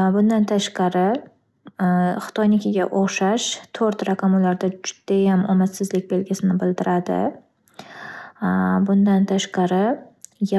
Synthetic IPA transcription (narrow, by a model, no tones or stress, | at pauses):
bʊnd̪ant̪ʰaʃqɑɾɪ | χɨ̥t̪ʰojnɪkʲɪɡʲaʔoχʃaʃt̪ʰoɾt̪ɾakʰamulaɾd̪ad͡ʒʊd̪̥ajamʔɒmasːɪzlɪk̚ʲbe̞lɡʲɪsɪnɪbɪlˠd̪ɪɾad̪ɪ̰ | bʊnd̪ant̪ʰaʃqɑɾɪj